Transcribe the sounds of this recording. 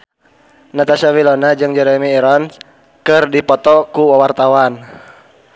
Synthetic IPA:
nat̪asawilɔnad͡ʒɨŋd͡ʒɛɾɛmiːɾɔn | kɨrdipɔt̪ɔkuwawart̪awan

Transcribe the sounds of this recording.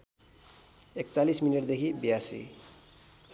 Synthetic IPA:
ek̚t͡salismineʈd̪ekʰibiasḭ

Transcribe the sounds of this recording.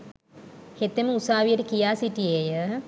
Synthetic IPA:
het̪eməusaːʋijəʈəkijaːsiʈijejə

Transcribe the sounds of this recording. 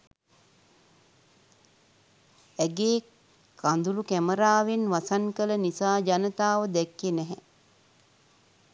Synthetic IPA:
ɛɡeː | kand̪ulukæməɾaːʋenʋasankələnisaːd͡ʒanət̪aːʋəd̪ɛkːenɛɦɛ

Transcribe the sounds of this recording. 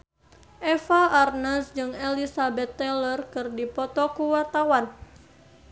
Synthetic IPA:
ʔɛfaːrnasd͡ʒɨŋelisabɛt̪ːɛlərkɨrdipɔt̪ɔkuwart̪awan

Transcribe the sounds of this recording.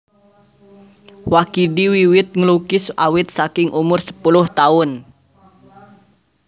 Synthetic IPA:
wakidiwiwɪt̪̚ŋəlukɪsa̰wɪt̪̚sakɪŋʔumʊrsə̥pulʊht̪aʊn

